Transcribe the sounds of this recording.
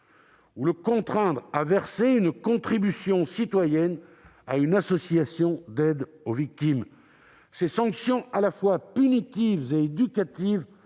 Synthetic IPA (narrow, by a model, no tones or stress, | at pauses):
uləkɔ̃t̪χɛ̃d̪ʁavɛʁseynkɔ̃t̪χibysjɔ̃sit̪wajɛna̰ynasɔsijasjɔ̃d̪ɛd̪ovik̚t̪im | sesɑ̃ksjɔ̃alafwapynit̪ivzeːd̪ykʲat̪iv